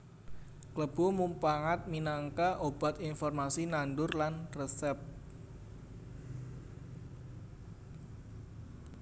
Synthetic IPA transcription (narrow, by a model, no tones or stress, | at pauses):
kləb̥ɔmumpaŋat̪̚minaŋkaʔob̥at̪infɔrmasinanɖʊrlanrəsɛp̚